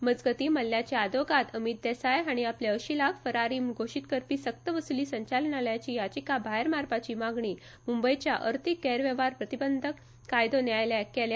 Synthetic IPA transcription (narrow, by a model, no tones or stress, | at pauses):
məd͡zɡət̪iːməlːjat͡ɕead̪oɡat̪əmit̪̚d̪ɛsajaɽ̃iapleəɕiːlakʰfəɾaɾiːmɡʱoɕit̪kəɾpiːsək̚t̪əʋəsuliːsəɲt͡ɕalənaljat͡ɕiːjat͡ɕikabʱaɦeɾmaɾpat͡ɕiːmaɡɳiː | mumbəjt͡ɕjaʔə̰ɾt̪ʰikːɛɾʋjeʋaɾpɾət̪ibənd̪ʱəkː | ajd̪onjajljakɛla